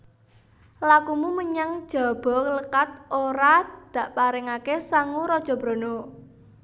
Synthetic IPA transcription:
lakumuməɲaŋd̥ʒ̥ɔ̤b̥ɔ̤kələkat̪̚oɾad̪̥ä̤ʔpaɾɪŋakesaŋuɾɔd̥ʒ̥ɔ̤b̥ɾo̤no

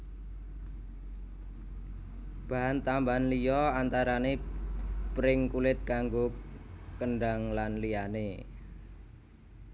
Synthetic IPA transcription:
b̥a̤ɦant̪ambanlijɔant̪aɾane | pɾɪŋkulɪt̪̚kaŋɡo | kəɳɖaŋlanlijane

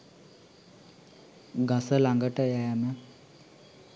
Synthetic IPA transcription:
ɡasəlaŋɡəʈəjæːmə

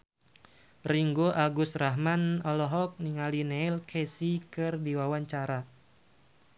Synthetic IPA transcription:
riŋɡoʔaɡusraɦmanɔlɔɦɔk̚niŋalineilkʰesikɨrdiwawaɲt͡ʃaɾa

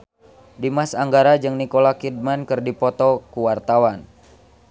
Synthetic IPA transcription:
dimasaŋɡaɾad͡ʒɨŋnikolakid̚mankɨrdipɔt̪ɔkuwart̪awan

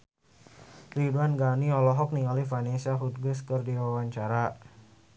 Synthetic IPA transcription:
riduanɡaniɔlɔɦɔk̚niŋalifanesiaɦut̪̚ɡuskərdiwawaɲt͡ʃaɾa

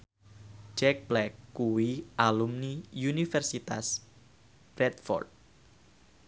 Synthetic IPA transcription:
d͡ʒɛk̚b̥lɛkːuwiʔalumniunifɛrsit̪a̰s | b̥ɾɛt̪fɔ̰rt̪̚

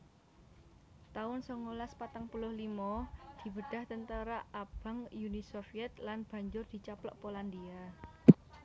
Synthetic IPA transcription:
t̪aʊnsɔŋːolaspat̪aŋpulʊhlimɔd̪̥i̤bəɖ̪̥a̤ht̪ənt̪əɾaʔab̥a̤ŋjunisofiɛt̪̚lanb̥a̤ɲd͡ʒʊrd̪̥i̤t͡ʃaplɔ̰ʔpoland̪ia

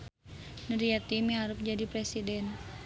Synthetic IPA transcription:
nuɾijat̪imiɦaɾʊp̚d͡ʒadipɾɛsidɛn

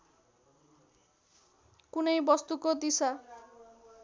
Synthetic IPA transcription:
kunejbɔst̪ukod̪isa

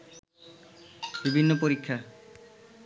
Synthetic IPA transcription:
bibʱinːopoɾikʰːa

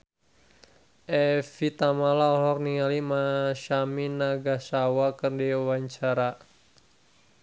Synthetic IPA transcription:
ʔɛfit̪amalaɔɦɔk̚niŋalimaʃaminaɡasawakərdiwaɲt͡ʃaɾa

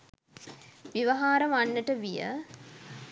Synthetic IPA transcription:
ʋiʋɐɦaːɾɐmanːəʈəʋijə̰

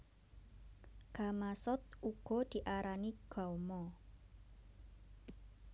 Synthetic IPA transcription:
ɡ̥amasɔt̪̚uɡ̥ɔ̤d̪̥i̤ʔaɾaniɡ̥ɔwmɔ

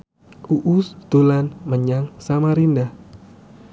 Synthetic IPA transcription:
uʔʊsd̪̥olanməɲaŋsamaɾindah

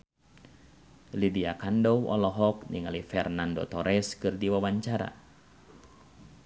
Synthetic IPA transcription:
lidiakandɔwʔɔ̰lɔɦɔk̚niŋalifɛrnando̰t̪ɔɾɛskɨrdiwawaɲt͡ʃaɾa̰

